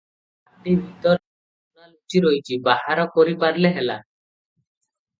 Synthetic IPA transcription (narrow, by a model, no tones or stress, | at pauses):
aɖibʱit̪ɔɾ | unalut͡ʃiɾojt͡ʃʰibahaɾɔkoɾipaɾleɦela